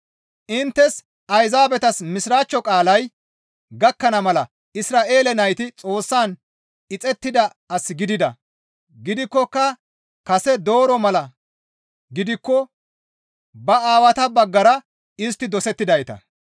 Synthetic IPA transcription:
ʔɪnt̪ːɛs | ɐjzaːbɛt̪ɐsmɪsɾaːt͡ʃːɔkʼaːlɐj | ɡɐkːɐnɐmɐlɐ | ɪsɾaːʔe̞ːlɛnɐjt̪ɪt͡sʼo̞ːsːaːn | ɪt͡sʼɛt̪ːɪd̪ɐ | ɐsɡɪd̪ɪd̪ɐ̰ | ɡɪd̪ɪkːɔkːɐ | kɐsɛd̪o̞ːɾɔmɐlɐ | ɡɪd̪ɪkːɔ | bɐaːwɐt̪ɐbɐɡːɐɾɐ | ɪs̬t̪ːɪd̪ɔsɛt̪ːɪd̪ɐjt̪ɐ̰

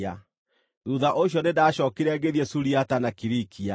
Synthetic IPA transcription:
a | ɾuðaʔoɕjɔnedaɕɔːkiɾɛɡeðjɛsuɾiatanakiɾikʰia

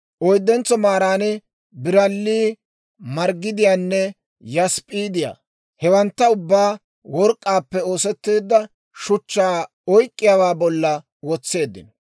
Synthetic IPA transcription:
ʔɔjd̪ːɛnt͡sɔmaːɾaːnɪ | bɪɾɐlːiː | mɐɾɡːɪd̪ɪjaːnːɛ | jɐspʼiːd̪ɪja̰ː | hɛwɐnt̪ːɐʊbːaː | wɔɾkʼːaːpːɛo̞ːsɛt̪ːeːd̪ːɐ | ʃʊt͡ʃːaː | ɔjkʼːɪjaːwaːbɔlːɐ | wɔt͡sːe̞ːd̪ːɪ̰nɔ

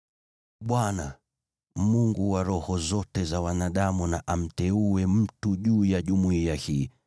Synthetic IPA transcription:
ɓwana | muŋɡuwaɾɔhɔzɔtɛzawanaɗamunaʔam̩tɛuɛm̩tuʄuːjaʄumuiahiː

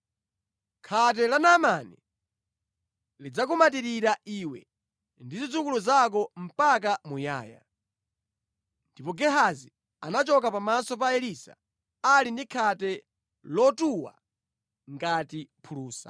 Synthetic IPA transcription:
kʰat̬ɛlanamani | lid͡zak̬umat̬iɾiɾaʔiːwɛ̰ | ndizid͡zukuluzak̬ɔm̩pak̬amuja̰ːja̰ | ndipɔɡɛɦazi | anat͡ʃɔk̬apamasɔp̬aɛlisa̰ | alindikʰatɛ | lɔtuwa̰ | ŋɡatipʰuluːsḁ̰

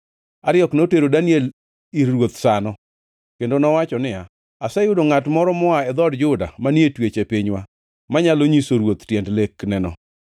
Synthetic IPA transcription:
aɾjɔknoteɾodaniɛl | iɾwot̪sanɔ | kendonɔwat͡ʃɔnɪja | asɛjʊdoŋatmɔɾɔmɔaɛd̪ɔdd͡ʒʊda̰manetwet͡ʃepiɲwa | maɲaloɲisoɾwot̪tjɛndleknɛnɔ̰

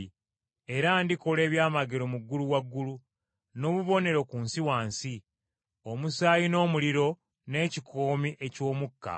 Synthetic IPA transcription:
e̞ɾandiko̞le̞ːβjaːmaɡeɾo̞muɡːuluwaɡːulu | no̞ːβuβo̞ne̞ɾo̞kunsiwaːnsi | o̞musaːjino̞ːmuliɾo̞ | ne̞ːcikʰo̞ːmiʔe̞co̞ːmukːa̰

